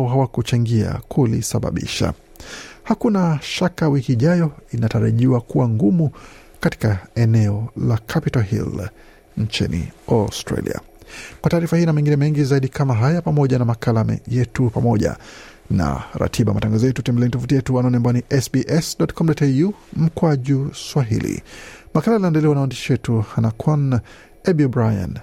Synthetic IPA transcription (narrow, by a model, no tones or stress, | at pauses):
ɔɦawakut͡ʃaŋɡia̰kʰulisaɓa̰ɓḭʃa̰ | hakunaʃakawikiːʄajɔinataɾa̰ʄiwakuwaŋɡumu | kati̥kaɛnɛɔlakʰapitalɦḭl | ɲt͡ʃinḭɔstɾa̰lḭa̰ | kwataːɾifahijɔnamɛŋɡinɛmɛŋɡizaiɗikʰamaɦajapamɔʄanamakʰalamɛ̰jɛtupamɔʄa̰ | na̰ɾa̰tʰiɓaa̰mataŋɡazɔjɛtutɛmbɛlɛnitɔfutijɛtuanaɔniɛambajɔniʔɛsbiʔɛsɗɔtkʰɔm̩dɔtɛjum̩kwaʄuswaɦḭlḭmakalalinaɛndɛlɛwanawandiʃiwɛtuhanakʰwan | ɛbiɔbɾaja̰n